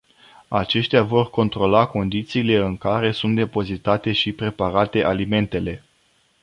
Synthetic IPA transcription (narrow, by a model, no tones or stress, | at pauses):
at͡ʃe̞ʃt̪eavo̞rko̞nt̪ɾo̞lako̞nd̪it̪siːle̞ɨŋkaɾe̞sunt̪̚d̪e̞po̞zit̪at̪e̞ʃipɾe̞paɾat̪e̞ʔalime̞nt̪e̞le̞